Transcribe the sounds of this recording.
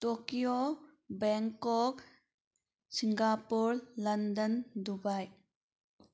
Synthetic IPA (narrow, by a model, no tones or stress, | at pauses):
tokio | bɛŋkɔk | siŋɡapuɾlɐndəndubaj